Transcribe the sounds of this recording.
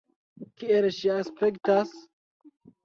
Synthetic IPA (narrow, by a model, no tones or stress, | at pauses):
kieɾeʃiaspektas